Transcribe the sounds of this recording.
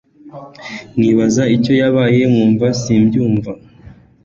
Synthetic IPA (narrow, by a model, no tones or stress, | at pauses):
ŋiβazaico̞jaβaːje̞mŋuːɱvasiːmbɟuːɱva